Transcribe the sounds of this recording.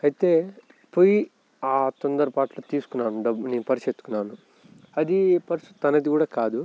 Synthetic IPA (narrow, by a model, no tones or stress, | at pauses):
ɐjit̪e̞ː | poji | aːt̪ɔnd̪ɐɾɐpaːʈloːt̪iːsu̥kunːaːnuɖɐbːunipɐɾisɐt̪ːukunːaːnu | ɐd̪ipɐɾist̪ut̪t̪ɐnɐd̪ikuːɽaːkaːd̪u